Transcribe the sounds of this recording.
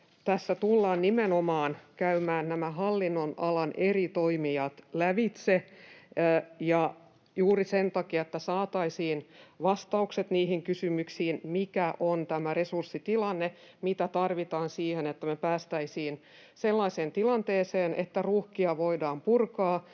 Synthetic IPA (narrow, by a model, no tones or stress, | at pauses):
t̪æsːæt̪ulːɑːnnimenomɑːnkæymæːnnæmæɦɑlːinːonɑlɑnʔerit̪oimiɑt̪læʋit̪se | jɑ | juːrisent̪ɑkiɑet̪ːæsɑːt̪ɑisiːnʋɑst̪ɑukset̪niːhiŋkysymyksiːnmikæʔont̪æmæresursːit̪ilɑnːe | mit̪æt̪ɑrʋit̪ɑːnsiːhenet̪ːæmepæːst̪æisiːn | selːɑiseːnt̪ilɑnt̪eːseːnʔet̪ːæruːhkiɑʋoidɑːmpurkɑː